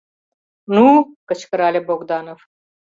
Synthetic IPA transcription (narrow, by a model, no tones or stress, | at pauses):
nuːkɐt͡ʃkɐɾaːleboːɡd̪aːnɐf